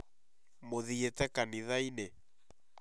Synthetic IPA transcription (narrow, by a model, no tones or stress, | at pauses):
moðietɛkaniðainɛ